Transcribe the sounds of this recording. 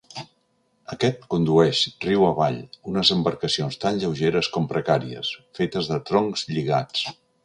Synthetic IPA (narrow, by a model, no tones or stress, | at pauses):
əkɛt̪kund̪uɛʃriwəβa̰ʎunəzəmbəɾkəsionst̪anʎəwʒeɾəskɔmpɾəkaɾiə̰sfet̪əzðət̪ɾɔŋkzʎiɣa̰t͡s